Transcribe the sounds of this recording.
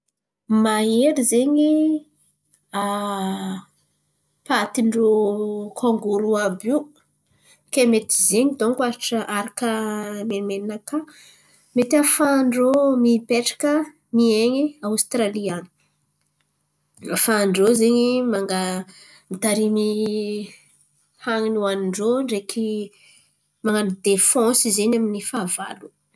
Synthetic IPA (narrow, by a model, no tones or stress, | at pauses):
maeɾizeɲi | a | pat̪iɳɖ͡ʐokʰoŋɡuɾuabiw | kemet̪i̥zeɲid̪oŋkuaɾiʈ͡ʂəʔaɾakəmemeninaka | met̪iafaɳɖ͡ʐomipeʈ͡ʂḁkə | mieɲiawst̪ɾaliani̥ | afaɳɖ͡ʐozeɲimaŋɡa | mit̪aɾimi | haŋinuanɳɖ͡ʐoɳɖ͡ʐekʰi | maŋɡanid̪efɔ̃sizenaminifaːva̰lu